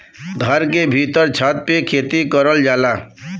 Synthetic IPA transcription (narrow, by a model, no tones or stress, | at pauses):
d̪ʱəɾkebʱiːt̪əɾt͡ʃʰaːt̪̚pekʰeːt̪ikəɾəld͡ʒaːlaː